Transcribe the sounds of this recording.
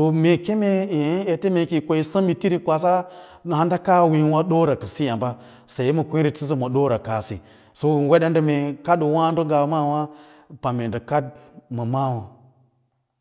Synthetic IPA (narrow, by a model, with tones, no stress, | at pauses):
to˦me˨ke˦me˦i˨˦e˨te˦me˨ki˨kʷo˨i˦sa˦mi˨ti˦ɾi˦kʷa˨s̬a˦˨ | ha˦nda˦ka˦wi˦nwa˦ɗo˦ɾa˨kə˨si˦ja˨mba˦ | sa˨i˦mə˨kʷi˦ɾi˨ti˦zi˦mo˨ɗo˦ɾa˨ka˨sḭ˨ | so˦we˦ɗe˦ndə˨me˨ka˦ɗu˨wa˦ndə˦ŋ˦ɡa˨˦ma˦˨wa˦ | pa˨me˨ndə˨ka˦d̚mə˨ma˦wa˨